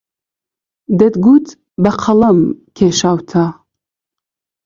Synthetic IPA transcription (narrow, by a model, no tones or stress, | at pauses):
d̪ɐd̪ɡuːt̪ʰ | bɐqʰɐlɐmkʲʰeʃawt̪ʰa